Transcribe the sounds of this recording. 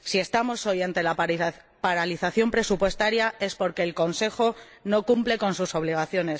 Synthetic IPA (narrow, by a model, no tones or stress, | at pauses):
sie̞st̪amoso̞jant̪e̞la | paɾaliθaθjo̞mpɾe̞supwe̞st̪aɾjae̞spo̞ɾke̞ːlko̞nse̞xo̞ | no̞kumple̞ko̞nsuso̞β̞liɣ̞aθjo̞ne̞s